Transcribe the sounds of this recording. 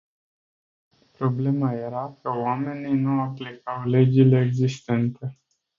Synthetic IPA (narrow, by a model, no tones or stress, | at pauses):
pɾo̞ble̞maje̞ɾakəowame̞ninuaplikawle̞d͡ʒile̞ːɡzist̪e̞nt̪e̞